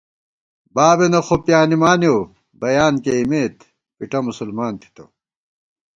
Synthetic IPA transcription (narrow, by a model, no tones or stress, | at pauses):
baːbenɐxopjaːnimaːnjo | bɐjaːnkeimeːt̪ | piʈɐmusulmaːnt̪ʰi̥t̪o̰